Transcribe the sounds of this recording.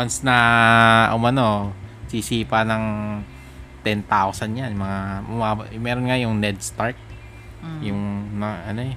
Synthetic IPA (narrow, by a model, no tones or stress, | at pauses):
wɐnsnɐʔʊmɐnosisiːpɐnɐŋ | t̪ɛnt̪awsɐnjanjmɐŋamʊmaːbmɛːɾonŋajʊŋnɛd̪̚st̪aɹk̪̚ | jʊŋnɐʔɐno